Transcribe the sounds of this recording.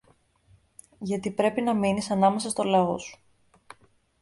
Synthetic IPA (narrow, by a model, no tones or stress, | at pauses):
ʝɐt̪ipɾe̞pinɐminisɐnɐme̞sɐst̪o̞lɐo̞̰su̥